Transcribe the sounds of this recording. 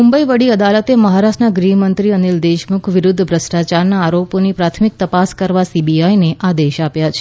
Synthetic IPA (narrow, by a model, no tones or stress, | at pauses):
mumbəiʋəɽiəd̪alət̪eməɦaɾasʈnaɡɾiɦmənt̪ɾiənild̪eʃmukʰʋɪɾʊd̪ʱːbʱɾəsʈat͡ʃaɾnaːɾoponipɾat̪ʰmik̚t̪əpaskəɾʋasibiajneʔad̪eʃapjat͡ʃʰe